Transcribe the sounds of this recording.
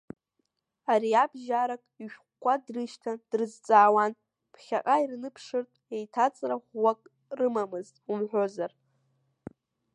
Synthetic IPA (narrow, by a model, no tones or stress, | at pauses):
aɾiabʒaɾakʼiʃᶣχʷkʷːadrɨʃtʰad̥rɨzt͡sʼaːwan | pʰχʲaqʼairnɨpʰʂɨrtʼe̞jtʰat͡sʼraχʷwakʼ | rɨmamɨztʼumħʷᶣozar